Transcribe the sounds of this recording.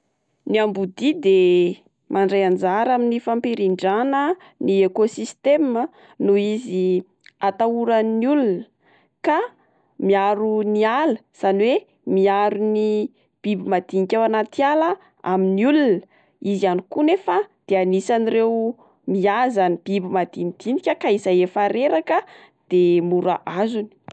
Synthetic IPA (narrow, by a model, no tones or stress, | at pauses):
niambud̪id̪e | mʔaɳɖ͡ʐejand͡zaɾaminifampiɾiɳɖ͡ʐanə | niekosist̪emə | nuizi | at̪auɾanniulunə | ka | miaɾunialəsanwe | miaɾuni | b̥ibimad̪̥inikʲawanat̪ialə | a̰miniulunə | izianikunefəd̪̥eanisanirew | miazanib̥ibimad̪inid̪̥inikʲəkaizajefaɾeɾakə | d̪̥emuɾa̰ʔazuni̥